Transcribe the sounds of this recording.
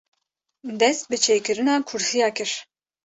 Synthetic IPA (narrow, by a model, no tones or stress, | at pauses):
d̪ɛst̪̚bɨt͡ʃʰeːjkɨɾɨnɑːkʰuɾsijɑːkɨɾ̥